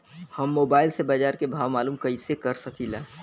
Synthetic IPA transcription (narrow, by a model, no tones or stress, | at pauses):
hɐmːoːbaːɪlsebad͡ʒaːɾkebʱaːʋmaːluːmkəisekɐɾsəkilɛː